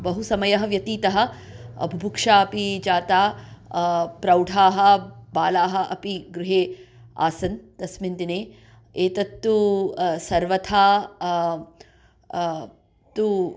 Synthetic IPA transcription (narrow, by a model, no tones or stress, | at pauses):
bɐɦusɐmɐjɐɦɐ̆ʋjɐt̪iːt̪ɐɦɐ̆ | ɐ̰bʱibʱukʂaːɐpid͡ʒaːt̪aː | pɾɐwɖʱaːɦɐ̆baːlaːɦɐ̆ʔɐpiɡɾuɦeː | a̰ːsɐnt̪ɐsmind̪ineː | eːt̪ɐt̪ːusɐɾʋɐt̪ʰaː | t̪u